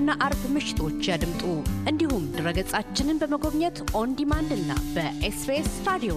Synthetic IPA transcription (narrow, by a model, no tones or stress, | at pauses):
ɨnːaʔaɾbmɨʃɪ̥t̪ʰo̞t͡ʃːjad̪ɨmt̪ʼuʔɨnd̪ihumd̪ɨɾəɡəsʼat͡ʃːɪnɨnbəməɡo̞βɲɛt̪ʔond̪imand̪ɨnːa̰bəʔespest̪ʰad̪io